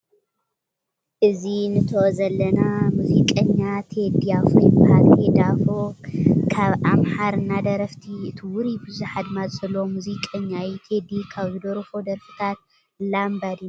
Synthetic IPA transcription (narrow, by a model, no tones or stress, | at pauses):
ʔɨzinɨt̪ʰoʔzɐlːɐnamuzikʼɐɲːat̪ʰed̪iafojbaked̪afokʰaβʔamħaɾɨnːad̪ɐɾɐft̪ʰiɨt̪ʰiwʊɾibɨzuħad̪mazzɐlːo̞muzikʼɐɲːajit̪ʰed̪ikʰaβzɨd̪oɾfo̞d̪ɐɾfɨ̥t̪ʰat̪̚ | lambad̪in